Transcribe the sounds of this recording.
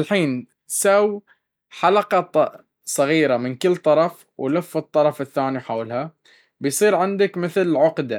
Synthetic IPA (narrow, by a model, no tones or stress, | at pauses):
ɪlħiːn | saw | ħalaqɑt̪ˤ | sˤɑɣiːɾamɪnkɪlːt̪ˤɑɾˤɑf | wɪlɪfːɨt̪ˤːɑɾˤɑfɪθːaːniħawlha | bɪjsˤiːɾʕɪnd̪akmɪθlʕʊqd̪a